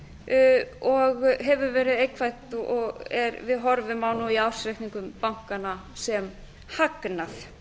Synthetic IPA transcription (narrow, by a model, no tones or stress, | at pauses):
ɔɣɦɛvʏɾvɛːɾɪðeːjkʰvajt̪ʔɔɣɛɾvɪðɦɔɾvɪmawnuiaw̥sɾekniŋkʏmpawŋ̥kanasɛm | haknaθ